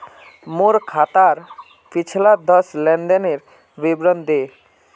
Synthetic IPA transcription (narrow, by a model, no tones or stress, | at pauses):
moɾkʰat̪aɾ | pit͡ɕʰlad̪ɔʃlɛnɖ̪eneɾ | bibɾond̪ʱe